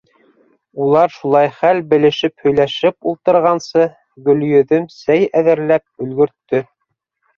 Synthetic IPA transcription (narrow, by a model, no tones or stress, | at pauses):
ulˠɑɾʃulˠɑjχælbɘ̆lɘ̆ʃɘphɵ̆jlæʃɘpulˠt̪ɤ̆ɾʁɑnsɤ | ɡɵ̆ljɵ̆ðɵmsæjæðɘ̆ɾlæp̚ɵ̆lɡɵ̆ɾt̪ːɵ